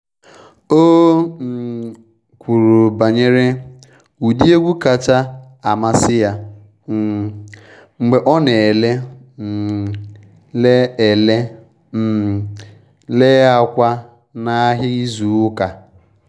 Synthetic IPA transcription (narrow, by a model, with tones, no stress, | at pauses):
o˦m̩˨ | kʷu˨ɾu˨ba˨ɲe˦ɾe˦ | u˨di˦e˦ɡʷu˦ka˨t͡ʃa˦ | a˨ma˦sɪ˦ja˦˨ | ŋ͡m̩˨ɡ͡be˨ʔɔ˦ne˨le˦ | m̩˨ | le˦e˨le˦ | m̩˨ | le˦a˦kʷa˦ | na˦ɦɪ˦i˦zu˨˦ka˨